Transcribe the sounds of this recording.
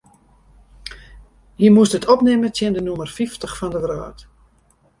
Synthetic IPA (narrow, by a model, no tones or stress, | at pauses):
hiəmuəstətʰɔpnɪmətʰjɪndənumərfiftəχfɔndəʋra̰ːt